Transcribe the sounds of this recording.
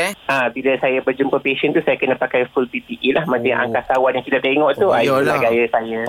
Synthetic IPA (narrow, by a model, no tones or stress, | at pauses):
ʔabiləsajabərd͡ʒumpəpeʃənt̪usajakənəpakajfulpip̪iʔilahmat͡ʃajʔa̰ŋkasawanjãŋkit̪aʔt̪eiŋɔʔt̪ualaɡajəsajə